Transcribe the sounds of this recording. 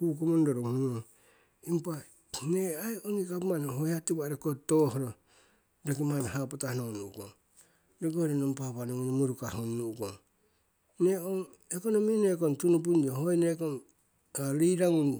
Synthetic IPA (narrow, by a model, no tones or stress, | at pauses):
kukomondoɾomhuno | impa | neajoŋikapmanɦojatiβaɾekotohoɾo | ɾakimanhapotahnonuko̰ŋ | ɾeɡoɾenompapanoŋonmuɾukahunːukoŋ | neoŋ | ekonominekontunup̬undiohojnekon | aɾijɾaŋun